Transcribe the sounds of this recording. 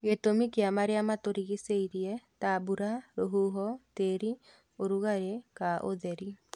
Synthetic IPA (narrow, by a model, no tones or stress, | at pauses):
ɣetomikeamaɾeamatoɾiɣiseiɾiɛtabuɾaɾoɦuɦɔteɾi | oɾuɣaɾekaʔo̰ðɛɾi